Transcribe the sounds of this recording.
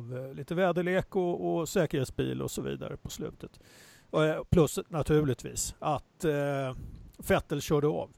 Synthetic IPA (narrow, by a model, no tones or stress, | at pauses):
vliːt̪əvɛːd̪əɭeːkɔːsɛːkəɾheːt̪sbḭːlɔ̰sɔvḭːd̪a̰ɾəpʰɔslʉ̟ːt̪ət̪ | pʰlɵsnat̪ʰʉ̟ːɭɪt̪viːsat̪ | fɛt̪ːəlɕœːɖəɑ̰ːv